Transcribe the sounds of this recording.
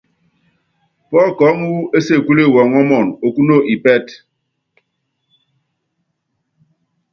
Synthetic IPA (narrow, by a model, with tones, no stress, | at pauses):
pɔ˦lkɔ˨˦ŋ˦wu˦e˦se˦˨ku˦le˦˨wɔ˨ŋɔ˦mɔ˦˨no˨ku˦no˦ʔi˨pɛ˦t